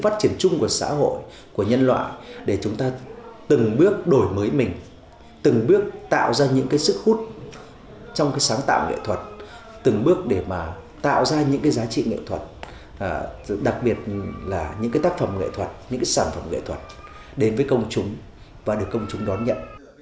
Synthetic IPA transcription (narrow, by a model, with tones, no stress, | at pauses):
faː˦˥t̚t͡ɕi˧˩ənt͡ɕʊ˧ŋ͡mku˧˩əsa̰ː˧˥ɦo̰˧˨j | ku˧˩əɲə˧nlwa̰ː˧˨jɗe˧˩t͡ɕʊ˨˦ŋ͡mt̪aː˧t̪ɨ˨˩ŋɓɨ˦˥ək̚ɗo˧˩jməː˨˦jmï˨˩ŋ̟ | t̪ɨ˨˩ŋɓɨ˦˥ək̚t̪a̰ː˧˨wzaː˧ɲɨ̰˧˥ŋkaː˨˦jsɨ˦˥k̚hu˦˥t̚ | t͡ɕɔ˧wŋ͡mkaː˨˦jsaː˨˦ŋt̪a̰ː˧˨wŋḛ˧˨t̪ʰwə˨˩t̚ | t̪ɨ˨˩ŋɓɨ˦˥ək̚ɗe˧˩maː˨˩t̪a̰ː˧˨wzaː˧ɲɨ̰˧˥ŋkaː˨˦jzaː˨˦t͡ɕḭ˧˨ŋḛ˧˨t̪ʰwə˨˩t̚ː | ɗa˨˩k̚ɓi˨˩ət̚laː˨˩ɲɨ̰˧˥ŋkaː˨˦jt̪aː˦˥k̚fə˧˩mŋḛ˧˨t̪ʰwə˨˩t̚ɲɨ̰˧˥ŋkaː˨˦jsaː˧˩nfə˧˩mŋḛ˧˨t̪ʰwə˨˩t̚ | ɗe˨˦nvəː˨˦jkə˧wŋ͡mt͡ɕʊ˨˦ŋ͡m | vaː˨˩ɗɨ˨˩əkːə˧wŋ͡mt͡ɕʊ˨˦ŋ͡mɗɔ˨˦nɲə̰˧˨n